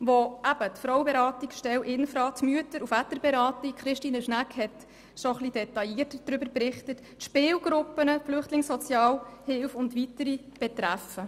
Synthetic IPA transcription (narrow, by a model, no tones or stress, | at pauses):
ʋoʔæb̥ətfɾɔwəbeɾɑːtikʃtɛwʔɪnfɾɑːtmyətəɾufætːəɾbɛɾɑːtikχɾɪʃtiːnəʃnækhɛt | ʃoχlid̥ɛtɑjiːətəd̥ɾʏbəɾpɾɪχtət | ʃpɪːwɡ̥ɾʊpːənəflʏχtlɪŋsɔt͡sjɑːlhɪlfʊntʋitəɾib̥ɛt̪ɾæfə